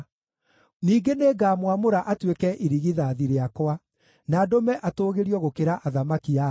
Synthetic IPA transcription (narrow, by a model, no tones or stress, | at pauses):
niːɡeneːɡaːmwamoɾaʔatwekɛʔiɾiɣiðaːðiɾeakwa | naːdomɛʔatoːɣeɾiɔɣokeɾaʔaðamakia